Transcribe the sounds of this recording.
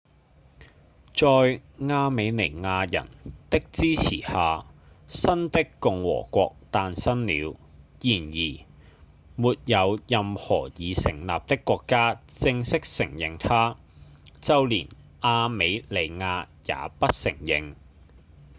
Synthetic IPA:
t͡sɔː˧jŋaː˧me˨˧jne˨˩jŋaː˧jɐ̰˨˩nt̪ɪ˥k̚t͡siː˥t͡sʰḭː˨˩haː˨˧ | sɐ˥nt̪ɪ˥kkʊ˨ŋwɔ̰ː˨˩kʷɔː˧k̚t̪aː˧nsɐ˥nliː˨˧wjiː˨˩njiː˨˩ | muː˨t̚jɐ˨˧wjɐ˨mhɔː˨˩jiː˨˧sɪ̰˨˩ŋla̰ː˨p̚t̪ɪ˥kːʷɔː˧kːaː˥t͡sɪ˧ŋsɪ˥k̚sɪ˨˩ŋjɪ˨ŋt̪ʰaː˥ | t͡sɐ˥wliː˨˩n | ʔaː˧me˨˧jle˨˧jŋaː˧ | ja̰ː˨˥pɐ˥t̚sɪ˨˩ŋjɪ˨˧ŋ

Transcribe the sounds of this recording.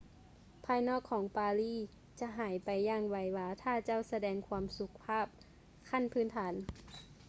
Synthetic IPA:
pʰaː˧jnɔː˥˩kʰːɔː˩˦ŋpaː˧liː˧˥˨ | t͡ɕa˧˦ɦaː˨˩˦jpa˨jːaː˧˩ŋwa˧˩jwaː˧t̪ʰaː˧˥˩t͡ɕa˧˥˩wsa˧dɛː˧ŋkʰwu˧msu˧˦k̚pʰaː˧˥˩p̚ | kʰa˧˥˨npʰɯː˧˥˨nt̪ʰaː˩˦n

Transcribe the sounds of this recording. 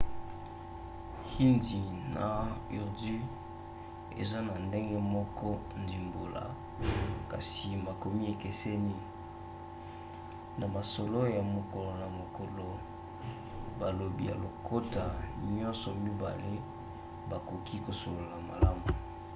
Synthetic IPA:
hi˦ndi˨na˨i˨ʁdi˦ | ḛ˨za˦na˨nde˦ŋɡe˦mɔ˦kɔ˦ndi˨mbo˨la̰˨ | ka̰˨si˨ma˨ko˨mi˦e˨ke˨se˦ni˦ | na˨ma˨so˨lo˦ja˨mo˨ko˨lo˨na˨mo˨ko˨lo˨ | ba˨lo˨bi˦ja̰˨lo˨kʰo˦ta˨ɲɲɔ˦nsɔ˨mi˦ba̰˨le˦ | ba˨ko˨kʰi˦ko˨so˨lo˨la˨ma˨la˦mu˨

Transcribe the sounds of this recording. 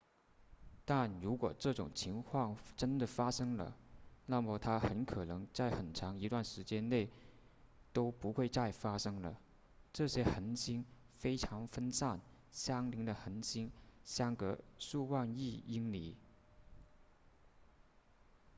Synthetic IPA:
t̪a˥˩nɻu˧˥kwɔ˨˩ʈ͡ʂɤ˥˩ʈ͡ʂʊ˨˩ŋt͡ɕʰi˧˥ŋkʰwɑ˥˩ŋʈ͡ʂə˥nd̪ə˨fa˥ʂɤ˥ŋlə̰˨na˥˩mə˨˩t̪ʰa˥xə˧˥nkʰɤ˨˩nɤ˧˥ŋt͡sa˥˩ɪxə˨˩nʈ͡ʂʰɑ˧˥ŋi˧˥t̪wa˥˩nʂɻ̩˧˥t͡ɕjɛ˥nne˥˩ɪ | t̪o˥ʊpu˧˥xwe˥˧ɪt͡sa˥˩ɪfa˥ʂɤ˥ŋlə̰˨ | ʈ͡ʂɤ˥˩ɕjɛ˥xə˧˥nɕi˥n | fe˥ɪʈ͡ʂʰɑ˧˥ŋfə˥nsa˥˩n | ɕjɑ˥ŋli˧˥ŋd̪ə˧xə˧˥nɕi˥ŋɕjɑ˥ŋkɤ˧˥ʂu˥˧wa˥˧ni˥˩i˥ŋlḭ˨˩

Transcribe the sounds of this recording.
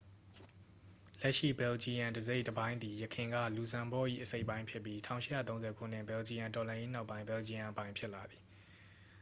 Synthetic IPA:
lɛ˦ʔʃḭ˦˨bɛ˨ld͡ʑi˨jã˨ndəze˦ɪʔtəbã˦ɪ̃nd̪i˨jəkʰɪ̃˨ŋɡä̰˦˨lu˨zã˨mbɔ˦˨ʔḭ˦˨ʔəse˦ɪʔpːã˦ɪ̃pʰjɪ˦pːji˦tʰã˦˨ʊ̃ʃɪ˦˨ja̰˦˨t̪õ˦zɛ˨kʰṵ˦˨n̥ɪ̰̃˦˨bɛ˨ld͡ʑi˨jã˨ntɔ˨lã˨je˦n̥a˦ʊpːã˦ɪ̃mbɛ˨ld͡ʑi˦jã˨ʔəpã˦ɪ̃pʰjɪ˦ʔla˨d̪i˨

